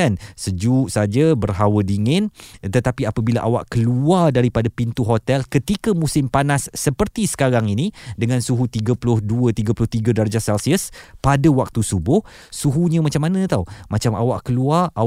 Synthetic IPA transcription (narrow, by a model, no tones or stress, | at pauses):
ansəd͡ʒuʔsad͡ʒabərɦawədiŋɪnt̪ət̪apiapəbilaʔawa̰ʔkəluardaɾipadapint̪uɦot̪ɛlkət̪ikəmũsɪmpanasːəpərt̪isə̥kaɾaŋinidəŋansuɦut̪iɡəpulʊhduət̪iɡəpulʊht̪iɡədard͡ʒasɛlsiəspadawak̚t̪usubʊh | suɦuɲə̃mat͡ʃamːanə̃t̪awmat͡ʃama̰waʔkəluara